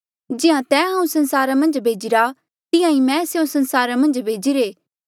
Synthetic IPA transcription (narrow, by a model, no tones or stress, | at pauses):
d͡ʒɪɦãt̪ɛ̃ːɦãːũsɐ̃nsaːɾamɐ̃nd͡ʒbʱeːd͡ʒɪɾa | t̪ɪ̃jãĩmɛ̃seõsɐ̃nsaːɾamɐ̃nd͡ʒbʱeːd͡ʒiɾeː